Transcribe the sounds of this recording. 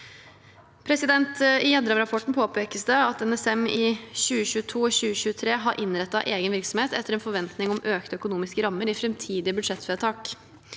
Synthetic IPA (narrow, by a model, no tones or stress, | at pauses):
pʰɾɛsɪd̪ɛnt̪ɪjɛd̪əɾəmɾɑpʰɔʈːɳ̩pʰoːpeːkəsd̪əɑt̪ɛnɛsɛmɪɕʉːəɕʉːət̪ʰuːɔɕʉːəɕʉːət̪ʰɾeːɦɑɾʔɪnɾɛt̪ːɑʔeːɡənʋɪɾksɔmheːt̪ɛt̪ːəɾɛːnfɔɾʋɛnt̪nɪŋɔmʔøːkt̪əœkʊnuːmɪskəɾɑmːəɾɪfɾɛmt̪ʰiːd̪ɪəbʉd̪ʂɛt̪ːfɛt̪ʰɑːk